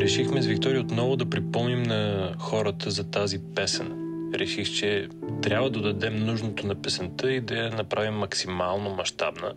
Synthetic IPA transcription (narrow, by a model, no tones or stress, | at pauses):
ɾɛʃixmɛzvik̚t̪ɔɾiəot̪nɔvʊd̪ɐpɾipɤlˠnimnɐxɔɾət̪ʰəzɐt̪azipɛsɛnɾʔɛʃixt͡ʃɛ | t̪ɾʲabvəd̪ɐd̪ɐd̪ɛmnuʒnot̪onɐpɛsɛnt̪əid̪ɐjɐnɐpɾavimːɐksimalˠnomɐʃt̪a̰bnə̰